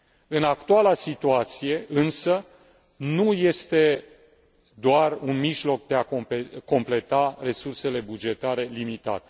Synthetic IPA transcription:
ɨnakt̪ualasit̪uat̪sije̞ʔɨnsə | nuje̞st̪e̞ | d̪oarunmiʒlo̞k̚d̪e̞akompeko̞mple̞t̪are̞surse̞le̞bud͡ʒe̞t̪aɾe̞limit̪a̰t̪e

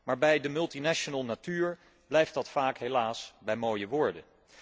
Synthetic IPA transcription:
maːɹbɛjdəmɵlˠtinɛʃonəlˠnatyːɹ | b̥lɛjftdɑtfaːkɦelaːsbɛjmoːjəʋʊːɹdən

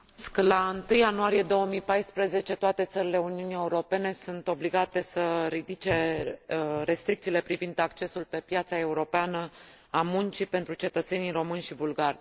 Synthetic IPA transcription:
sklaɨnt̪ɨjanuaɾije̞d̪o̞wəmijpajspɾəze̞t͡ʃe̞t̪oat̪e̞t̪səɾile̞uniunie̞uɾo̞pe̞ne̞sunt̪o̞bliɡat̪e̞səɾid̪it͡ʃe̞ | ɾe̞st̪ɾikt̪sile̞pɾivind̪akt͡ʃe̞sulpe̞pjat̪sae̞uɾo̞peanə | amunt͡ʃipe̞nt̪ɾut͡ʃe̞t̪ət̪se̞niɾo̞mɨnʲʃibulɡarʲ

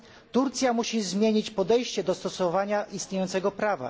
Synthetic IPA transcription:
t̪uɾt̪sʲjamuɕizmʲjeɲit͡ɕpɔd̪ɛjɕt͡ɕɛd̪ɔst̪ɔsɔvaɲaist̪ɲʲejɔnt̪sɛɡɔpɾava̰

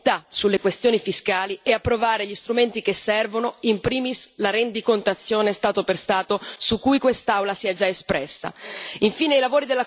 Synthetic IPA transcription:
t̪asulːekwest̪joːnifiskaːliɛapːɾovaːɾeʎist̪ɾument̪ikesːɛrvonoimpɾiːmislaɾend̪ikont̪at̪sːjoːnest̪aːt̪operst̪aːt̪osukːujkwest̪awlasiːad͡ʒaespɾɛsːa̰iɱfiːneilavoːɾid̪elːa

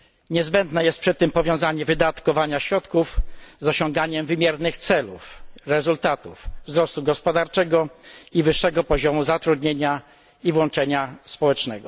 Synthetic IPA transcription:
ɲɛzbɛnd̪nɛjɛst̪̚pʂɛt̪ːɘmpɔvʲjɔ̃w̃zaɲɛvɘd̪at̪kɔvaɲaɕɾɔt̪kufzɔɕɔ̃ŋɡaɲɛmvɘmʲjɛɾnɘxt̪sɛlṵfɾɛzult̪at̪uvvzɾɔst̪uɡɔspɔd̪aɾt͡ʂɛɡɔivɘʂːɛɡɔpɔʑɔmuzat̪ɾud̪ɲeɲa | ivwɔnt͡ʂɛɲaspɔwɛt͡ʂnɛɡɔ

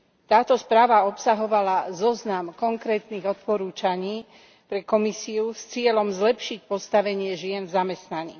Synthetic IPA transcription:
t̪aːt̪ɔspɾaːʋaɔpsaɦɔʋalazɔznamkɔŋkɾɛːt̪niɣɔt̪̚pɔɾuːt͡ʃaɲiː | pɾɛkɔmisiust͡sɪɛlɔmzlɛpʃic̚pɔst̪aʋɛɲɪɛʒɪɛnvzamɛst̪naɲiː

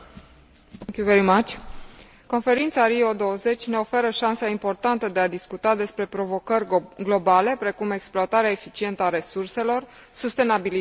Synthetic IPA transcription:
ŋkʲuveɾimat͡ʃʲ | ko̞nfe̞ɾint̪saɾiod̪o̞wəze̞t͡ʃʲne̞o̞fe̞ɾəʃansaimpo̞rt̪ant̪əd̪e̞ad̪iskut̪ad̪e̞spɾe̞pɾo̞vo̞kərʲɡlo̞bale̞pɾe̞kume̞ksploat̪aɾeaefit͡ʃie̞nt̪əaɾe̞surse̞lo̞r | sust̪e̞nabili

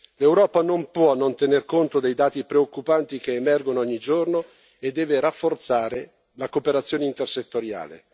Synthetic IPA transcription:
lewɾɔːpanompwɔnont̪enerkont̪od̪ejd̪aːt̪ipɾeokːupant̪ikeːmɛrɡonoɔɲːid͡ʒorno | ed̪ːɛːverafːort̪saːɾe | lakopeɾat̪sːjoːneint̪erset̪ːoɾja̰ːlḛ

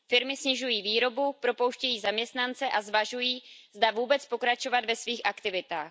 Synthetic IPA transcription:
fɪɾmɪsɲɪʒujiːviːɾo̞bupɾo̞po̞wʃcɛjiːzamɲɛst̪nant͡sɛʔazvaʒujiːzd̪avuːbɛt͡spo̞kɾat͡ʃo̞vad̪vɛsviːxʔakt̪ɪvɪt̪a̰ːx

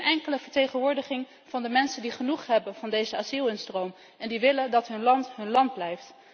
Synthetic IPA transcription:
nɛŋkələvəɹtejχənʋʊːɹdəχɪŋ | vɑndəmɛnsəndiχənuχɦɛbənvɑndejzəazilˠɪnstrowm | ɛndiʋɪləndɑtɦɵnlɑntɦɵnlɑnd̚blɛjft

